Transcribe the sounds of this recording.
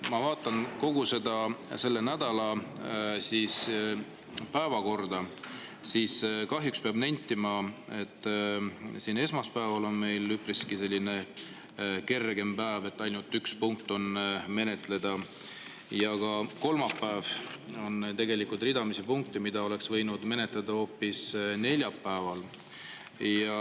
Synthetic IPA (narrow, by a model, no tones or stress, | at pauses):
mɑvɑːt̪ːˑɑnko̞ɡ̥use̞d̪̥ɑse̞lːe̞næd̪̥ɑlɑ | siːs | pæevɑko̞rd̪̥ɑ | siːskɑɦjukspeɑbnenʲt̪ːˑimɑe̞t̪ːˑ | siːne̞smɑspæevɑlo̞nme̞jlːypriskise̞lʲːine̞ | ke̞rɡ̥e̞mpæːve̞t̪ːˑɑjnult̪ːˑykspuŋk̚t̪ːˑo̞nme̞ne̞t̪ˑle̞d̪̥ɑ | jɑɡ̥ɑko̞lmɑpːæːvo̞nt̪e̞ɡe̞likult̪ˑrid̪ɑmisipuŋk̚t̪imid̪ɑo̞le̞ksvɤ̞jnud̪me̞ne̞t̪ˑled̪̥ɑo̞ːpːisne̞lʲjɑpːæevɑl | jɑ